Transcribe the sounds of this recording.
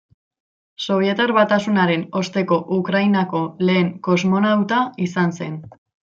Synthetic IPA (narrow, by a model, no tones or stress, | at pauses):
so̞β̞je̞t̪eɾβat̪asunaɾe̞no̞st̪e̞ko̞ʔukɾajnako̞le̞ːŋko̞zmo̞nawt̪aisanse̞n